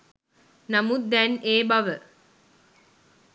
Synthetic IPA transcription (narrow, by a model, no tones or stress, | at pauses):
nɐmud̪ɛneːbɐʋə